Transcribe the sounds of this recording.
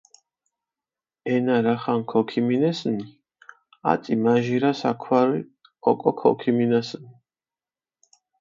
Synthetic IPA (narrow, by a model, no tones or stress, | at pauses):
ɛnaɾaχankʰɔkʰiminɛsni | a̰t̪sʼimaʒiɾasakʰwaɾi | ɔkʼɔkʰɔ̰kʰiminasni